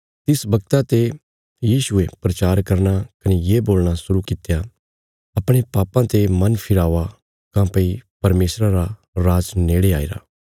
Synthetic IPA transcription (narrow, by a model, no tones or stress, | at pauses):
t̪ɪsbɐɡ̚t̪at̪e | jiːʃʊepɾɐt͡ʃaːɾkɐɾnakɐnejeːboːlñasʊɾukɪt̪ja | ɐpɽ̃epaːpãt̪emɐnpʰɪɾaːʋa | kãːpəipɐɾmeːsɾaɾa | ɾaːd͡ʒneːɽeaːḭɾa̰ː